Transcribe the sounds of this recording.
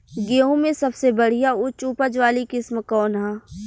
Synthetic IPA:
ɡeːɦõmẽsɐbsebɐɽ̤ijaʊt͡ʃuːpəd͡ʒʋaːlikɪsmkɔːnɦɛ̃ː

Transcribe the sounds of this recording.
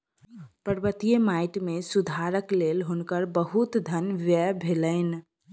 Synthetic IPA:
pəɾbət̪ijəmaɪʈmesud̪ʱaɾəklelɦʊnkəɾbəɦut̪d̪ʱənʋjəbʱeləɪn

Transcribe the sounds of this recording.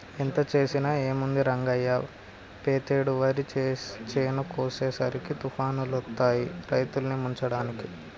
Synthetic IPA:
int̪ɐt͡ʃe̞ːsinɐeːmund̪iɾɐŋɡɐjːɐ | peːt̪eːɽuʋɐɾit͡ʃt͡ʃeːnɐkoːseːsɐɾikit̪upʰaːnulut̪ːaːjiɾɐjt̪ulnimuɲt͡ʃɐɽaːniki

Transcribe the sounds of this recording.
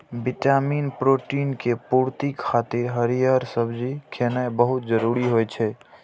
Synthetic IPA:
bɪʈaminpɾoːʈinkepuɾt̪ikʰːaːt̪iɾɦəɾijaɾsəbd͡ʒikʰenabəɦʊt̪̚d͡ʒəɾuɾiɦojt͡ʃʰɛ

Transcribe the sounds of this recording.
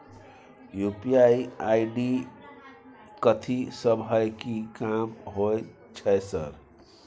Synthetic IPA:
jupiaiaiɖi | kət̪ʰisəbʱɦəjkikamɦoj | t͡ʃʰəjsə̰ɾ

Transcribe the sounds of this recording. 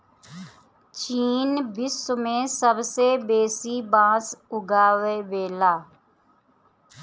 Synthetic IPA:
t͡ʃiːnbɪsmẽsəbsebeːsibãːsʊɡaːʋeːʋeːlaː

